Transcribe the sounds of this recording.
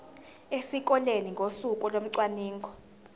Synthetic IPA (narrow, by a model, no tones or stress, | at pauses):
esik̬ʼɔleniŋɡʱosukʼɔlom̩ǀwaniːŋkʰɔ